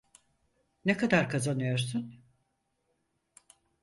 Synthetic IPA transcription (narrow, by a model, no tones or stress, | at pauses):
nekʰad̪aɾkʰazanɯjo̞ɾsun